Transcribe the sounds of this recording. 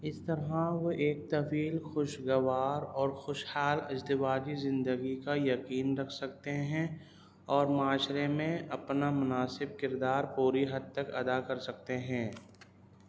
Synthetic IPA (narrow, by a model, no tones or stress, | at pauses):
ɪst̪əɾɦaʋoʔeːk̚t̪ɐfiːlxʊʃɡɐʋaːɾɔːɾxʊʃhaːlɐd͡ʒd̪ɪʋaːd͡ʒizɪ̃nd̪əɡikajɐkiːnɾɐkʰsɐk̚t̪eɦɛ̃ | ɔːɾmaːʃɾemẽʔɐpnamʊnaːsɪb̚kɪɾd̪aːɾpuːɾiɦɐd̪̚t̪əkɐd̪akɐɾsɐk̚t̪eɦɛ̃ː